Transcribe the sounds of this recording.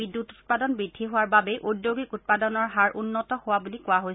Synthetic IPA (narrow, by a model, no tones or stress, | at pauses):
bidːutu̥t̚padɔnbɹidʱːiɦʊwaɹbabɛʔudjoɡikut̚padɔnɔɹɦaɹʔunːɔtɔhʊwabulikʊwaɦojs